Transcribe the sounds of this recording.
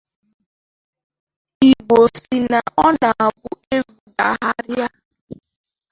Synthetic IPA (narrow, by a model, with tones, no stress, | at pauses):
i˨ɡ͡bo˨si˨na˨ʔɔ˦na˨a˨bʊ˦e˦ɡu˨da˨ɦa˦ɾja˦